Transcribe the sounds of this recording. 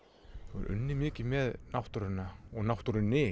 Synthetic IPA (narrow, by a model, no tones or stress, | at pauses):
ɾʔʏ̰nːɪmɪːcɪmɛðnawht̪uɾɪnːaɔɣnawht̪uɾʏnːɪ